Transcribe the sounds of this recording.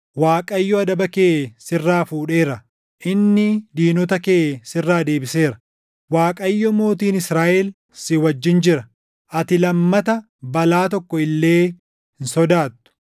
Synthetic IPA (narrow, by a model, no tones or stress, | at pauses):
waːkʼɐjːɔɐd̪ɐbɐkeːʔsɪrːaːfuːᶑe̞ːɾɐ | ʔɪnːɪd̪iːnɔt̪ɐkeːʔsɪrːaːd̪e̞ːbɪse̞ːɾɐ̥ | waːkʼɐjːɔmo̞ːt̪iːnɪsɾaːʔɛl | sɪwɐd͡ʒːɪnd͡ʒɪɾɐ | ʔɐt̪ɪlɐmːɐt̪ɐ | bɐlaːt̪ɔkːɔɪlːe̞ː | hɪnsɔd̪aːt̪ːʊ̥